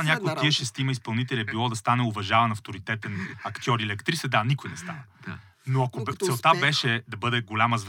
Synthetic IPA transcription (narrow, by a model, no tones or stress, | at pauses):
nʲjakojott̪ːiəʃɛst̪imɐispɐlˠnit̪ɛliɛbilˠɔd̪ɐst̪anɛʊvɐʒavɐnɐft̪oɾit̪ɛt̪ɛnɐkt̪ʲiɔɾilɛkt̪ɾisɛd̪anikojnɛst̪a̰nə | noɐkot̪sɛlˠt̪abɛʃɛd̪ɐbɤd̪ɛɡolʲaməzv